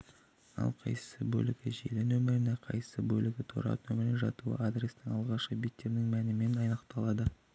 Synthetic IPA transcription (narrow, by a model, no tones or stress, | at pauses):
ɑ̰lˠqʰɑ̰j̪ə̥səbɵ̰lɪɡʲɪʒḛlɪnɵmɪɾɪneqʰɑ̰j̪ə̥səbɵlɪɡʲɪt̪ʰo̰ɾɑ̰t̪nɵmɪɾneʒɑt̪uə̰ad̪ɾe̞st̪ɪŋɑlˠʁɑʃqəbit̪ʲːe̞ɾnɪŋmænɪme̞nɑjnɑqt̪ɑlˠɑd̪ə